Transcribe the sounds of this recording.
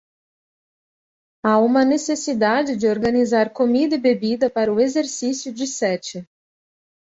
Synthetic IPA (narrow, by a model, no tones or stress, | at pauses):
aũmɐnesesid̪ad͡ʒɪd͡ʒɪoɾɡɐnizaɾkomid̪ɐɪbebid̪ɐpaɾɐʊezeɾsisjʊd͡ʒɪsɛt͡ʃɪ